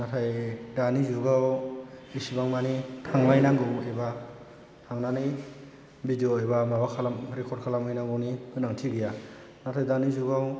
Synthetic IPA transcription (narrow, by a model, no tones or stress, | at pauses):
natʰajdanizuɡawisibaŋmanitʰaŋlajnaŋɡɯmejba | tʰamnani | bidioejbamabakʰalamɾekʰɔd̚kʰalamɯjnaŋɡɯwnikɯnaŋtʰiɡija | natʰajdanizuɡaw